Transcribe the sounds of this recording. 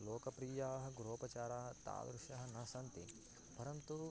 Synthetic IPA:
loːkɐpɾiːjaːɦɐɡɾoːpɐt͡ʃaːɾaːɦɐt̪a̰ːd̪ɾuʃjɐɦɐnɐsɐnt̪ḭ | pɐɾɐnt̪u

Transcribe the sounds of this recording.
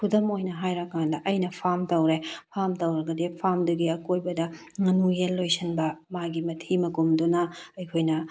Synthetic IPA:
kʰudɐmojnɐɦajɾɐkːandɐʔɐjnɐpʰamtɐwɾepʰamtɐwɾɐɡɐdepʰamdɐɡiɐkojbɐdɐ | ŋɐnujelːojsɐnbɐmaɡimɐtʰimɐkumdunɐɐjkʰojnɐ

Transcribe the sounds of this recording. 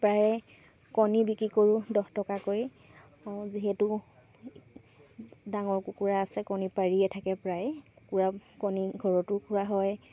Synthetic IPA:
pɹajɛ | kɔnibikɹikoɹudɔxtɔkakoj | ziɦɛtu | daŋɔɹkukuɹaːsɛkɔnipaɹiɛtʰakɛpɹajɛku̥kuɹakɔniɡʱɔɹɔtʊkuɹaɦɔj

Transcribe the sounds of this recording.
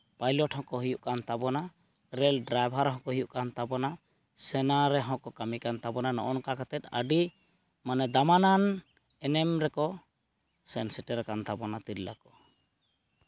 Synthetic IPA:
pajlɔʈhɔ̃kɔɦijuʔkant̪abɔna | ɾɛlɖɾajbʱaɾɦɔ̃kɔɦujuʔkant̪abɔna | sɛnaɾɛɦɔ̃kɔkamikant̪abɔnanɔ̰ʔɔnkakat̪ɛt̪̚ə̰ɖi | manɛd̪amanan | ɛnɛmɾɛkɔ | sɛnsɛʈɛɾɛkant̪abɔnat̪iɾla̰kɔ̥

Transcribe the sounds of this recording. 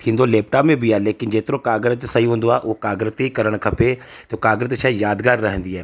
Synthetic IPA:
t̪ʰĩːnd̪oːlɛːp̚ʈaːpẽbʱiːaːleːkɪnd͡ʒeːt̪ɪɾõːkaːɡɾət̪səĩːɦʊ̃nd̪oːaːʔoːkaːɡɾət̪iːkəɾəɳ̃kʰəpeːt̪eoːkaːɡɾət̪ːʃaijaːd̪kaːɾːəɦə̃nd̪iːɛː

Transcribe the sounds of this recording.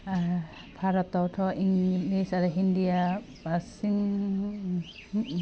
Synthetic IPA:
pʰaɾɔtːawtʰɔʔiŋlesaɾɔɦindija | asiŋ

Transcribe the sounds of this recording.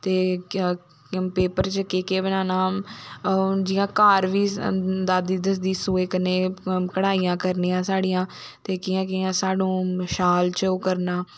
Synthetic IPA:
t̪eː | peːpəɾt͡ʃəkeːkeːbənaːnaː | d͡ʒɪjãːkaːɾʋiːd̪aːd̪iːd̪əs̬d̪iːsoːeːkəneːkəɽaːiːãːkəɾniːãːsaːɽijãː | t̪eːkiːãːkiːãːsaːɖũːʃaːlt͡ʃːkəɾnaː

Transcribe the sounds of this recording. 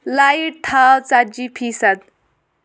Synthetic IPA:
lajʈ̪ʰat͡sad͡ʒipʰisad̪̚

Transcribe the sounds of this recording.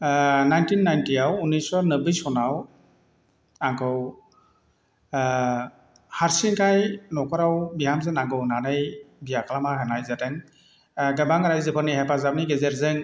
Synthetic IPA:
najntinːajntiawunisɔnɯbɯjsɔnaw | aŋkʰɯw | haɾsiŋkʰajnɔkʰɔɾawbiɦamzɯnaŋɡɯwnanɯjbijakʰalamaɦɯnajzatɯŋ | ɡabaŋɾajzɯpʰɯɾnihepazap̚niɡezeɾzɯŋ

